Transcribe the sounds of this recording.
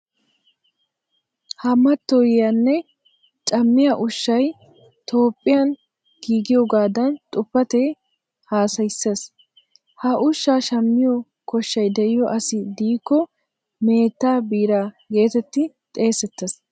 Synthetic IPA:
hɐmɐt̪ːɔjɪjɐnːɛ | t͡ʃʼɐmːɪjaʔʊʃːɐj | t̪ʰo̞ːpʼːɪjɐn | ɡ̥iːɡɪjɔɡaːd̪ɐnt̪ʼʊpːɐt̪eː | haːsɐjsːes | hɐʔʊʃːaːʃɐmːɪjɔ | kɔʃːɐjd̪ɛʔɪjɔʔɐsɪd̪iːkːɔ | me̞ːt̪ːaːbiːɾaː | ɡe̞ːt̪ɛt̪ːɪ | t̪ʼe̞ːsɛt̪ːɐs

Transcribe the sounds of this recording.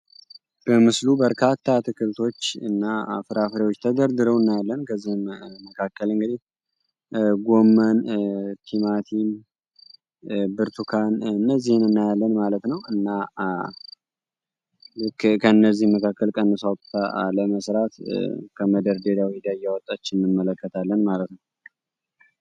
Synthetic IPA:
b̥əmɨslubəɾkʰat̪ʰːat̪ʰɨkʰɨɾt̪ʰo̞t͡ʃːɨnːafɨɾafɾewot͡ʃːt̪ʰəd̪əɾd̪ɨɾəwɨnːajalːənkʰəzːihmməkʰakːəlɨŋɡɨd̪ih | ɡo̞mːənt̪ʰimat̪ʰin | bɨɾt̪ʰukʰanɨnːəzːihɨnɨnːajalːənmalət̪nəwɨnːa | lɨkːkʰənːəzːihməkʰakːəlkʼənːəsawt̪ʼt̪ʰaləməsɾat̪kʰəməd̪əɾd̪e̞d̪awid̪ajawɔt̪ʼːat͡ʃːɪnnɨmːələkːət̪ʰalːənmalət̪nəw

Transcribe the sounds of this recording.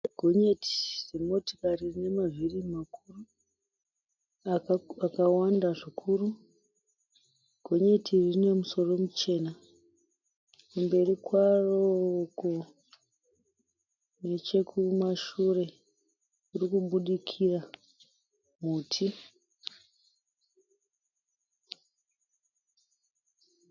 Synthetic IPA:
ɡ̥ʱo̞ɲe̞tʰi̥z̥emo̞to̥karirine̞mavʱirimakuru | aakawandaʐikʰuru | ɡ̥ʱo̞ɲe̞tʰirine̞muso̞ro̞mut͡ʃe̞ːna | kumbe̞rikwaroko | ne̞t͡ʃe̞kʰumaʃure̞ | uɾikuɓuɗikʰira | muːtʰi

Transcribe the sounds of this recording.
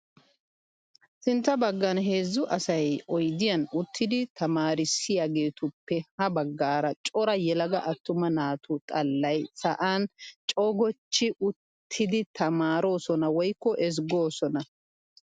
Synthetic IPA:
sɪnt̪ːɐbɐɡːɐnɦe̞ːzːʊʔɐsɐjʔɔjd̪ɪjɐnʊt̪ʰːɪd̪ɪt̪ɐmaːɾɪsɪjaːɡe̞ːt̪ʊpːɛhɐbɐɡːaːɾɐt͡ʃʼɔɾɐjɛlɐɡɐʔɐt̪ːʊmɐnaːt̪ʰʊt̪ʼɐlːɐjsɐʔaːnt͡ʃʼɔɡɔt͡ʃːɪʔʊt̪ʰːɪd̪ɪt̪ʰɐmaːɾo̞ːsɔnɐwɔjkːɔʔɛs̬ɡo̞ːsɔnɐ

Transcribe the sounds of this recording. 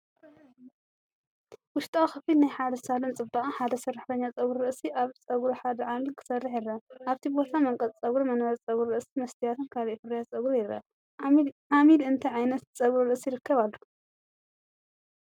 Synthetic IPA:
wʊʃt̪ʼawxɐfilnajħad̪ɐsalɐnt͡sʼɨbaħad̪ɐsɐraħt̪ʰɐɲːat͡sʼɐɡɾuɾɐʔsiʔaβt͡sʼɐɡɾuħad̪ɐʕamilkʰɨ̥sɐrːiħɪrɐʔaβt̪ʰibot̪ʰamɐŋkʼɐt͡sʼt͡sʼɐɡɾmɐnɐt͡sʼt͡sʼɐɡuɾɾɐʔsimɐst̪ʰijat̪ʰɨnkʰaliʔfɨrːɐjasʼɐɡɾujɪɾɐ̰ | ʕamilɨnt̪ʰɐjʕajnɐt̪t͡sʼɐɡɾuɾɨʔsijɪɾɨkʰːɐβalːu

